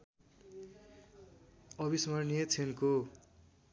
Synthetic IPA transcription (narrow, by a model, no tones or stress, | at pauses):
ʌbismʌrnijet͡sʰenko